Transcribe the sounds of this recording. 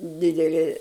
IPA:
ˈdʲɪdʲɛlʲɪ

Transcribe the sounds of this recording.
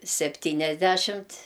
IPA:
sʲɛpʲˈtʲiːnʲɛzʲdʲæʃʲɪmt

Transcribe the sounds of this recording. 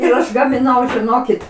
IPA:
ɪr ˈɐʃ ɡɐmʲɪˈnɐʊ ʒʲɪˈnoːkʲɪt

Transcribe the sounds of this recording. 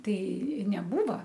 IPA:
ˈtɐɪ nʲɛˈbuːʋɐ

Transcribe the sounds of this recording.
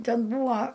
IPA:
ˈtʲɛn ˈbuːɐ

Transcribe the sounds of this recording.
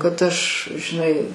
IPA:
kɐt ˈɐʃ ʒʲɪˈnɐɪ

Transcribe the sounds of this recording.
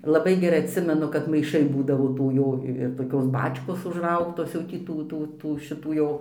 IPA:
lˠɐˈbɐɪ ɡʲɛˈrɐɪ ɐtʲˈsʲɪmʲɛnʊ kɐt mɐɪˈʃɐɪ ˈbuːdɐʋoː ˈtuː ˈjoː ɪr toːˈkʲoːs ˈbɑːt͡ʃkoːs ʊʒˈrɐʊktoːs jɛʊ tʲiː ˈtuː ˈtuː ˈtuː ʃʲɪˈtuː jɛʊ

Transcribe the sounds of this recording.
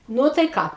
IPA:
ˈnʊ tɐɪ ˈkɑː

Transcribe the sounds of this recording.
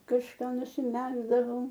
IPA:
kɐʃˈkɑː nʊsʲɪˈmʲæːɡzdɐʋɐʊ

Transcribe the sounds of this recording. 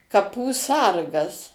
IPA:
kɐˈpuː ˈsɐrɡɐs

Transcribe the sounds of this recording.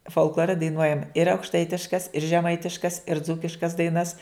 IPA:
foːlˠkˈlˠoːrʲɛ dɐɪˈnuɔjɛm ɪr ɐʊkʃˈtɐɪtʲɪʃkɐs ɪr ʒʲɛˈmɐɪtʲɪʃkɐs ɪr ˈd͡zuːkʲɪʃkɐs dɐɪˈnɐs

